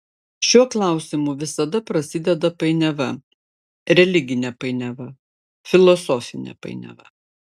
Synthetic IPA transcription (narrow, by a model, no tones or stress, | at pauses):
ʃʲuɔklˠɑˑʊsʲɪmuːʋʲɪsɐd̪ɐpɾɐsʲɪd̪ʲɛd̪ɐpɐɪnʲɛʋɐ | ɾʲɛlʲɪɡʲɪnʲɛpɐɪnʲɛʋɐ | fʲɪlˠɔsɔːfʲɪnʲɛ̰pɐ̰ɪnʲɛ̰ʋɐ̰